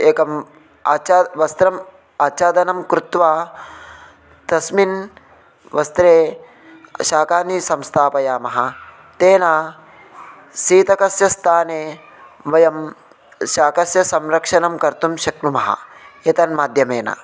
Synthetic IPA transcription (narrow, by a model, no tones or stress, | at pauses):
eːkɐm | aːt͡ʃaʋɐst̪ɾɐm | aːt͡ʃaːd̪ɐnɐmkɾut̪ʋaː | t̪ɐsmin | ʋɐst̪ɾeː | ʃaːkaːnisɐmst̪ʰaːpɐjaːmɐɦɐ | t̪eːnaː | siːt̪ɐkɐsjɐst̪ʰaːneː | ʋɐjɐm | ʃaːkɐsjɐsɐmɾɐkʂɐnɐmkɐɾt̪umʃɐknumɐɦɐ̰eːt̪ɐnmaːd̪ʱjɐmeːnɐ̰